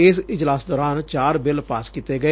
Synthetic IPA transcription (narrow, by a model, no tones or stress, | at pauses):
ɪsɪd͡ʒlaːsd̪ɔːɾaːnt͡ʃaːɾbɪlpaːskiːt̪eːɡəeː